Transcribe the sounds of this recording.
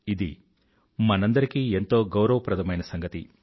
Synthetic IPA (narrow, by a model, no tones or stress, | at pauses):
id̪i | mɐnɐnd̪ɐɾikiːe̞nt̪o̞ːɡɐwɾɐʋɐpɾɐt̪ʰɐmɐjnɐsɐŋɡɐt̪ḭ